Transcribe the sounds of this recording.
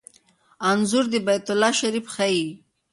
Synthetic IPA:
anzuɾd̪ibajt̪ʊlːɑʃaɾifxai

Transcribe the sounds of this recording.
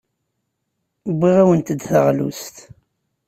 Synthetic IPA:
bːiʁæwənt̪əd̪θəʁlṵst̪

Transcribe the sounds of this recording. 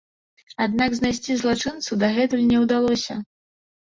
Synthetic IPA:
ad̪̚naɡznajsʲt͡sʲizlˠat͡ʂɨnt̪sud̪ɐɣɛt̪ɨnʲɛwd̪alˠɔsʲɐ

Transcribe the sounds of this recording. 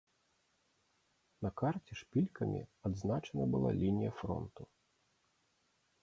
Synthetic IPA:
nɐkart͡sʲɛʂpʲilʲkʰɐmʲḭad̪znat͡ʂɐnɐbɨlˠa̰lʲinʲijɐfɾɔ̰nt̪u

